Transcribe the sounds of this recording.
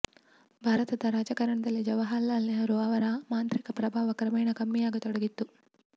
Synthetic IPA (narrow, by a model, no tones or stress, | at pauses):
bʱaːɾɐt̪ɐd̪ɐɾaːd͡ʒɐkɐɾɐɳɐd̪ɐlːid͡ʒɐʋɐɦaːlːaːlːiɦɐɾuaːʋɐɾamaːnt̪ɾikɐpɾɐbʱaːʋɐkɾɐmɐjɳɐkɐmːijaːɡɐt̪ɔɽɐɡit̪ːu